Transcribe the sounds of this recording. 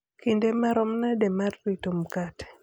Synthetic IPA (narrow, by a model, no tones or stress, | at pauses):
kindemaɾɔmnademarːitomkat